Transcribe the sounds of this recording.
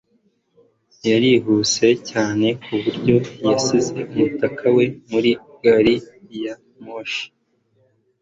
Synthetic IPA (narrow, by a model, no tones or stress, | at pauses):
jaɾiɦut͡se̞caːne̞kuβuɾɟo̞jasize̞umutakʰawe̞muɾi | ɡ̥aɾija | moʃi̥